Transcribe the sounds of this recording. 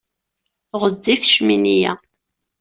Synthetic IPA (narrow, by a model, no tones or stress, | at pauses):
ʁədːiçʃminijæ̰